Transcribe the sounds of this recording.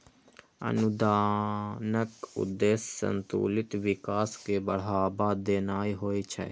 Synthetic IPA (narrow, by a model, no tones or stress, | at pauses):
ə̰nʊd̪aːnəkʊ̰d̪ːeːsːə̰nt̪ṵːlɪt̪ʋɪkaːskebəɽ̤aːbaːd̪eːnaːiɦoːit͡ʃʰɛ̰